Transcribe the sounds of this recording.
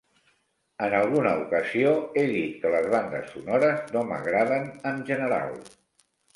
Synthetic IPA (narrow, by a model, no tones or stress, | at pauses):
ənəlˠɣunəukəzioeðit̪̚kələzβand̪ə̰sːunoɾəznomə̰ɣɾaðənənʒənəɾa̰lˠ